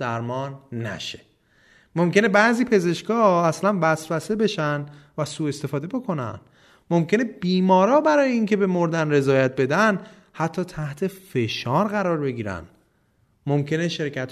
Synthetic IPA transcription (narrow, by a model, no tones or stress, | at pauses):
d̪æɾmɒːnːæ̰ʃe̥ | mo̞mcene̞bæziːpʰe̞ze̞ʃkɒːæslænbæsbæsebe̞ʃænd̪væsuːe̞st̪e̞fɒːd̪e̞bo̞kʰo̞næ̰n | mo̞mcʰe̞ne̞biːmɒːɾɒːbæɾɒːjeiŋcʰe̞be̞mo̞ɾd̪ænre̞zɒːjæt̪̚be̞d̪æn | hæt̪ʰːɒːt̪ʰæht̪ʰe̞fe̞ʃɒːɾɢæɾɒːɾbe̞ɟiːɾæ̰n | mo̞mcʰe̞ne̞ʃe̞ɾcʰæt̪